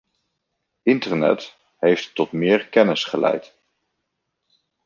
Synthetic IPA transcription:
ɪntəɹnɛ̰t | ɦejftːɔtmɪːɹkɛnɪsχəlɛ̰jt

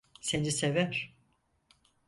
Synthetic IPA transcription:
senisevæɾ̥

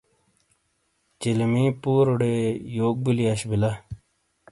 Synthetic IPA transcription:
t͡ʃilmiːpuːɾoɽeːjoːɡ̚buliaɕbila

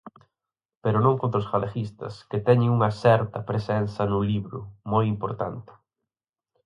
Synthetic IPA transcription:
peɾʊnõŋkõnt̪ɾʊsfalaxist̪ɐ̰skɪt̪ɛɲɪŋuŋɐsɛɾt̪ɐpɾesɛnθɐnʊliβɾʊmojimpoɾt̪ant̪ɪ̥

